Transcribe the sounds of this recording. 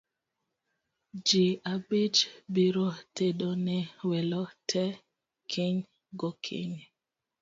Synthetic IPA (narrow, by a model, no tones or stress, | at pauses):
d͡ʒiabid͡ʒbiɾoteɗonɛwɛlɔtʰɛ | kʰeɲ | ɡokʰḛɲ